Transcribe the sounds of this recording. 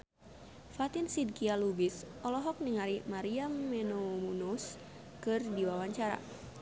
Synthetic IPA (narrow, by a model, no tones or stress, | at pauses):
fat̪insid̚kialubisɔlɔɦɔk̚niŋaɾimaɾiamːɛnomunus | kɨrdiwawaɲt͡ʃaɾa̰